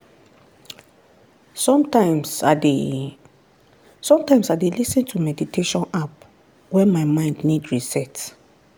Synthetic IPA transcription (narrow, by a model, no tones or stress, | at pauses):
sɔ̃mtamse | sɔ̃mtãɪ̃msadelisĩntʰumɛditʰeʃɔ̃nap̚ | wɛ̃maɪmãɪ̃ndnidɹisɛt